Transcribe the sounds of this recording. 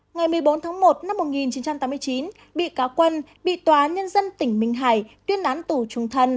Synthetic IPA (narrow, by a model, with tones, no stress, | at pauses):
ŋa˨˩jmɨ˨˩əjɓo˨˦nt̪ʰaː˨˦ŋmo˨˩t̚na˧mːo˨˩t̚ŋi˨˩nt͡ɕi˨˦nt͡ɕa˧mt̪aː˨˦mɨ˧ət͡ɕi˨˦n | ɓḭ˧˨kaː˨˦wkwə˧nɓḭ˧˨t̪waː˨˩ʔaː˨˦nɲə˧nzə˧nt̪ï˧˩ŋ̟mï˨˩ŋ̟ɦaː˧˩jt̪wi˧ənʔaː˨˦nt̪u˧˩t͡ɕʊ˨˩ŋ͡mt̪ʰə˧˩n